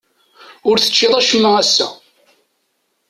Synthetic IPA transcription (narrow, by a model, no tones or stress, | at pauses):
ʊɾθə̥t͡ʃːɪðˤæʃəmːəʁæsːæ̰